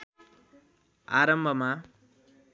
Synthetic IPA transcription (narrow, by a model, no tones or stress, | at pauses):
aɾʌmbʱʌma